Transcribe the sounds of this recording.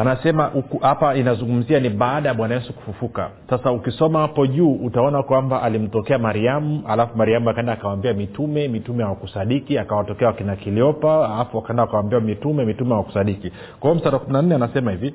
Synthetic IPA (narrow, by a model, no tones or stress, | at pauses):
anasɛmaʔukuhapainazuŋɡum̩zianiɓaːɗajaɓwanajɛsuku̥fufuka̰sasaukisɔmahapɔʄuːʔutaɔnakwambaʔalim̩tɔkɛamaɾiamualafumaɾiamuakaɛndaːkawambiamitumɛmitumɛhawakusaɗikiakawatɔkɛawakinakiliɔpaalafuakaɛndaːkawambiamitumɛmitumɛawaku̥saɗiki | kwaɔm̩staɾakuminan̩nɛanasɛmahivi